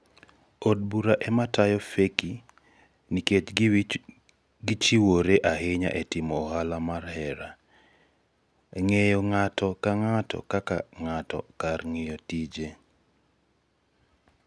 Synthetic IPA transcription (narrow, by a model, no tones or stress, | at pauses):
od̚buɾaʔɛmatajɔfeki | niket͡ʃ | ɡit͡ʃiwoɾeʔaɦɪɲa̰ʔetɪmɔːhalamarhɛɾa | ŋejɔŋatɔkaŋatɔ̰kaka̰ŋatɔ̰karŋɪjɔtid͡ʒe